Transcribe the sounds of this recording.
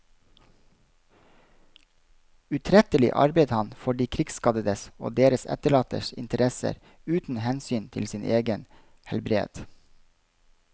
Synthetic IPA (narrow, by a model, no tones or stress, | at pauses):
ʉt̪ʰɾɛt̪əlɪ̰ʔɑ̰ɾbeɪd̪hɑnfɔɖiːkʰɾɪksskɑd̪əd̪əso̰ːd̪eːɾəsɛ̰t̪əɭɑːt̪ə̰ʃɪ̰nt̪əɾɛsə̰ɾ | ʉːt̪n̩hɛnsyːnt̪ʰɪ̰lsɪːnʔeːɡən | hɛlbɾḛːd̪̥